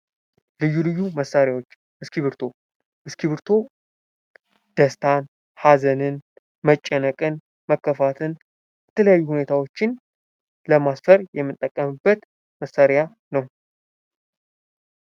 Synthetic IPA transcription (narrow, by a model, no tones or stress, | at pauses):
lɨjːulɨjːuməsːaɾjawot͡ʃː | ɨskiβɨɾt̪ʰo̞ | ʔɨskiβɨɾt̪ʰo̞ | d̪̥əst̪ʰan | hazənɨn | mət͡ʃʼːɛnəkʼɨn | məkːəfat̪ʰɨn | jɛt̪ʰələjajːuhune̞t̪ʰawo̞t͡ʃːɪn | ləmasfəɾjɛmːɨt̪ʼːəkʼːəmɨbːət̪ | məsːaɾja | nəw